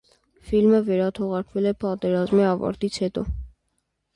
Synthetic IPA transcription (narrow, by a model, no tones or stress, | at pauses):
filməvɛɾɑt̪ʰɔʁɑɾkʰvɛlɛpɑt̪ɛɾɑzmiɑvɑ̰ɾt̪it͡sʰhɛt̪ɔ